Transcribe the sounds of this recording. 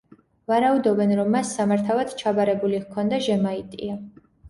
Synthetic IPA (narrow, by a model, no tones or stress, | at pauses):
vaɾaud̪ɔbɛnɾɔmːasːamaɾt̪ʰavad̪̥t͡ʃʰabaɾɛbulikʰɔnd̪aʒɛmait̪ʼia